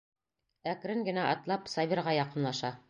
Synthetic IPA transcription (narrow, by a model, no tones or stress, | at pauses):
ækɾɘŋɡɘ̆næʔɑt̪lˠɑpsɑvʲiɾʁɑjɑqɤ̆nlˠɑʃɑ